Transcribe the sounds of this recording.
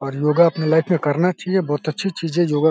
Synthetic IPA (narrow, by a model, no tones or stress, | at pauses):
ɔːɾjoːɡaɐpnelaːɪpʰmẽkɐɾnat͡ʃaɦiebɔːt̪ɐtːʃʰit͡ʃiːzẽjoːɡa